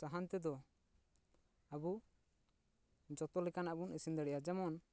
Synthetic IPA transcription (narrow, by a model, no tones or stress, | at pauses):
aɦant̪ɛd̪ɔ | abu | d͡ʒɔt̪ɔlɛkanaʔbunisind̪ɛɽɛjad͡ʒɛmɔn